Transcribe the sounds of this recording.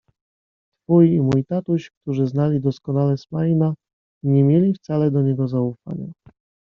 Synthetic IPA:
t̪fujimujt̪at̪uɕk̚t̪uʐɘznalʲid̪ɔskɔnalɛsmajna | ɲɛmʲjelʲift̪salɛd̪ɔɲɛɡɔzaufa̰ɲa̰

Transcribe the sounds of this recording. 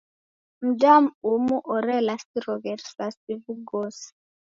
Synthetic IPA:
m̩dam̩umuʔɔɾɛlasiɾɔɣɛɾsasivuɡɔsi̥

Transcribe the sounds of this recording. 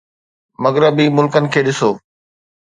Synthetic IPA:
mɐɣɾəbimʊlkənɪ̆kʰeːɗɪsoː

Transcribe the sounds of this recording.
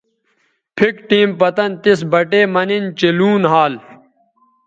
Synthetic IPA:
pʰikʈiːmpɐt̪ɐnt̪isbɐʈeːmɐnint͡ɕiluːnɦaːl

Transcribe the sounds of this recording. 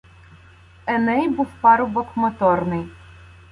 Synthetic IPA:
ɛnɛjbuwpɑɾʊbɔkmɔt̪ɔrnɪj

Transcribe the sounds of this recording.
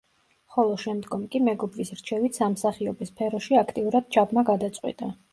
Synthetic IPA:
χɔlˠɔʃɛmd̪ɡɔmkʼimɛɡɔbɾisɾt͡ʃʰɛvit̪samsaχiɔbispʰɛɾɔʃiakʰt̪ʼiuɾad̪̥̚t͡ʃʰabmaɡad̪at̪sʼqʼwḭt̪ʼa

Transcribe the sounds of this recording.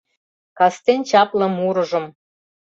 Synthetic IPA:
kɑst̪ent͡ɕɑplɤ̆muɾɤ̆ʒɤ̆m

